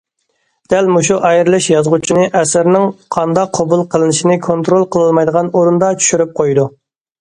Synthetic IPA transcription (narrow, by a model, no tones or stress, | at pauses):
d̪̥ælmuʃuʔɑjɾlˠɪʃjɑzʁut͡ʃʰinɪʔɛsɪɾnɪŋqʰɑnd̪ɑqʰːɑbulˠqʰəlˠɨnɪʃinɪkʰont̪ɾolˠqʰəlˠɨlˠmɑjd̪əʁɑnoɾund̪ɑt͡ʃʰy̥ʃyɾyp̚qʰojd̪u